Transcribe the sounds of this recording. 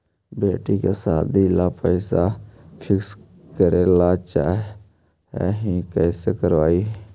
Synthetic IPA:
beːʈikesaːd̪ilapəɪsapʰɪks | kəɾelaːt͡ʃaːɦ | ɛ̰ɦĩkɛːsekəɾʋaːi

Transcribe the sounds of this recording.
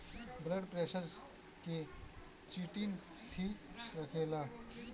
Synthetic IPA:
bləɽpɾeɕəɾs | ki | t͡ɕiʈiːn | ʈʰiːkɾakʰela

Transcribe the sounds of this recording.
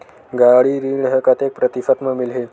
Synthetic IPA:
ɡaɽiːɾiːɳɦəkat̪jek̚pɾət̪ifət̪məmilɦe

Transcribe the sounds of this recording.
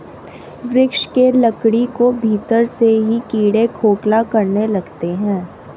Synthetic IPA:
ʋɾɪkʃkelɐkɽikobʱiːt̪əɾseɦikiːɽekʰoːklakɐɾnelɐɡt̪eɦɛ̃ː

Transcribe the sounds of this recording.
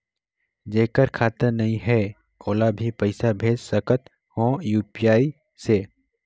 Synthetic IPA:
d͡ʒeːkəɾkʰaːt̪əɾnɐɦĩɦɛ | koːlabʱipəɪsabʱeːd͡ʒsəkət̪ | hõːjuːpijaːi | se

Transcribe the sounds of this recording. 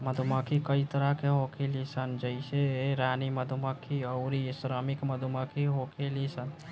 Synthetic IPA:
məd̪ʱuməkʰikəjt̪əɾakeɦokʰelisənd͡ʒəɪseɾaːniməd̪ʱuməkʰiəʊɾisɾəmikməd̪ʱuməkʰiɦokʰelisən

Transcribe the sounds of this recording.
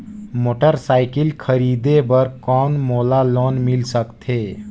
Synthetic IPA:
moːʈəɾsaːɪkɪlkʰəɾiːd̪ebəɾkɔːnmoːlaloːnmɪlsəkt̪ʰeː

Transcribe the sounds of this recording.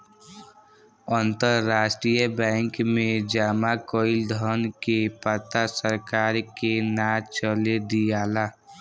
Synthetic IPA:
ənt̪əɾːaːʃʈɾijəbɛ̃ːŋkmẽd͡ʒaːmakoːɪld̪ʱɔnkepət̪asəɾkaːɾkenat͡ʃəled̪ijaːlaː

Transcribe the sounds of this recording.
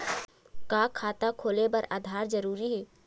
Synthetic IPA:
kaːkʰaːt̪akʰoːlepɐɾa̰ːd̪ʱaːɾd͡ʒəɾuːɾiɦɛː

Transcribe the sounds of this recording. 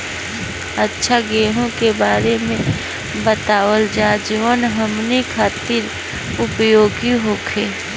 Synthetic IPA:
ətːʃʰaɡeːɦõkebaːɾemẽ | bət̪aːʋəld͡ʒaːd͡ʒəʋənɦəmnikʰaːt̪ɪɾ | ʊpjoːɡiɦokʰeː

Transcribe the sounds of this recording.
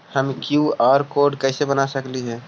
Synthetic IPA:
həmkjuɔːɾkoɾɖkəɪsebənasəkliɦɛ̃ː

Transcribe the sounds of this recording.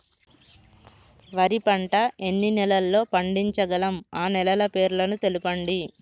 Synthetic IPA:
ʋɐɾipɐɳʈɐʔe̞nːinɛlɐlːo̞ːpɐɳɖiɲt͡ʃɐɡɐlɐmaːnɛlɐlɐpe̞ːɾlɐnut̪e̞lupɐɳɖi

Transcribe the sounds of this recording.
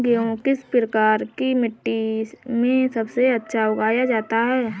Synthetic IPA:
ɡeõkɪspɾəkaːɾkimɪʈːimẽsɐbseɐtːʃʰaʊɡaːjad͡ʒaːt̪aɦɛː

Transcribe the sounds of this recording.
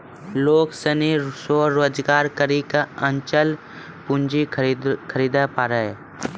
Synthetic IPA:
loːksənisoːɾoːd͡ʒɡaːɾkəɾikaə̃nt͡ʃəl | pʊnd͡ʒikʰəɾiːd̪apaːɾəe

